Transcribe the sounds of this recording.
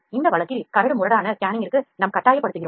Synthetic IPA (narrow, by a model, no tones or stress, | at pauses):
ɪnd̪ɐʋɐɭɐkːɪlkɐɾɐɽɯmʊɾɐɽaːnɐkjaːnɪŋɡɪrkːɯnɐmkɐʈːaːjɐpːɐɽɯt̪ːɯɣɪɾom